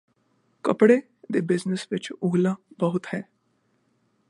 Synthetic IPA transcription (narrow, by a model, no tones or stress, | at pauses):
kəpɽe | d̪ebɪd͡ʑnəsʋet͡ʃuɡlabəɦut̪hɛ